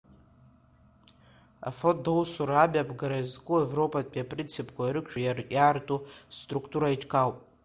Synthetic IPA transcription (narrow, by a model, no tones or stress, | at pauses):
a̰fot̚dolsuɾabʲapʰʼɡaɾaizkʷʼuevro̞pʰʼatʼpʼiapʼrint͡sʰipʰʼkʷʰaiɾɨkʃᶣajarjaːrtʼustʼrukʰʼtʰʼuɾait͡ʃʰʼkʰawpʼ